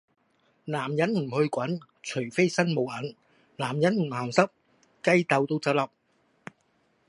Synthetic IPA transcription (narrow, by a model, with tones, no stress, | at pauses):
laː˨˩mjɐ˨˥nm̩˨˩hɵ˧ɥkʷɐ˨˥n | t͡ʃʰɵ˨˩ɥfe˥jsɐ˥nmo˨˧wʔɐ˨˥n | laː˨˩mjɐ˨˥nm̩˨˩haː˨˩msɐ˥p̚ | kɐ˥jt̪ɐ˨˧wt̪o˧wt͡sɐ˧w̚lɐ˨p̚